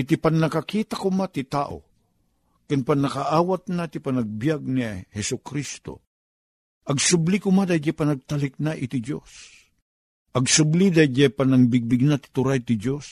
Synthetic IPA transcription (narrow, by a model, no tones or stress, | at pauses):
ʔɪt̪ipannɐkakiːt̪akʊmat̪ɪt̪aːʔo̰ | kɪnpanːɐkaʔaːwat̪̚nat̪ɪpanaɡ̚bjaɡ̚nihɛsʊkɾist̪o̰ | ʔɐɡsʊblikʊmad̪ajd͡ʒapanɐɡ̚t̪alɪk̚naʔɪt̪ɪd͡ʒo̰s | ʔɐɡsʊblid̪ajd͡ʒapanaŋbɪɡ̚bɪɡ̚nat̪ɪ̥t̪ʊɾajt̪ɪd͡ʒos